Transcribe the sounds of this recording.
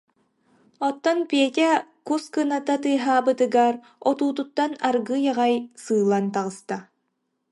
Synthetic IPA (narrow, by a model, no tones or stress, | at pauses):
ɔt̪ːɔnpiɛt̪ʲɛkuskɯnat̪at̪ɯɦaːbɯt̪ɯɡaɾ | ɔt̪uːt̪̬ut̪ːanaɾɡɯjaʁajsɯːlˠant̪aʁɯst̪a